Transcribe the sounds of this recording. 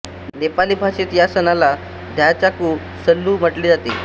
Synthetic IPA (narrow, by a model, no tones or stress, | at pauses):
nepaliːbʱasiːt̪jasənala | d̪ʱjat͡ɕakuː | səlːuːm̤əʈliːd͡zat̪e